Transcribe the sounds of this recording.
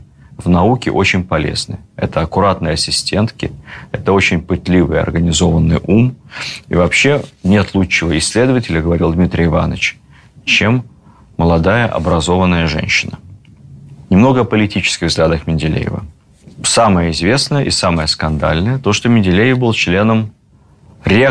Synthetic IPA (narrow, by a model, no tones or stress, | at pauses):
vnɐukʲɪ̰ʔot͡ɕɪnʲpɐlʲḛznɨ̰ɛ̰t̪əɐkʊɾat̪nəjɐsʲɪsʲtʲe̞nt̪kʲɪɛt̪əot͡ɕɪnʲpɨt̪ʲlʲivɨjɐ̰rɡənʲɪzo̞vənːɨjʔumḭvɐpɕːe̞nʲe̞t̪lˠut͡ɕːɪvəɪsʲlʲe̞d̪əvətʲɪlʲəɡəvɐɾʲilˠd̪mʲit̪ɾʲɪjɪva̰nə̰t͡ɕ | t͡ɕemː | əlˠɐd̪ajəʔɐ̰bɾɐzo̞vənːəjəʐɛ̰nʲɕːɪnə | nʲɪmno̞ɡəɐpəlʲɪtʲit͡ɕɪ̥skʲɪɣvzɡlʲad̪əxmʲɪnʲdʲɪlʲḛjɪ̰və̰ | saməjəɪzʲvʲe̞snəjəʔɪsaməjəskɐnd̪a̰lʲnəjət̪o̞ʂt̪omʲɪnʲdʲɪlʲejɪfbɨlˠt͡ɕlʲe̞nəm | ɾʲe